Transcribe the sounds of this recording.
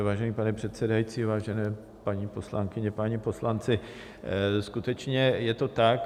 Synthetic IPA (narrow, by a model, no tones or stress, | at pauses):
vaːʒɛniːpanɛpr̥ɛt̪sɛdajit͡siːvaːʒɛnɛː | paɲiːpo̞slaŋkɪɲɛpaɲipo̞slant͡sɪ | skut̪ɛt͡ʃɲɛjɛt̪o̞t̪ak